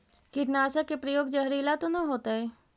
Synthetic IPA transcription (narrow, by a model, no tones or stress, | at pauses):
kɪʈnaːsəkepɾəjoːɡd͡ʒəɦɾilat̪onɐɦoːt̪aɦɛ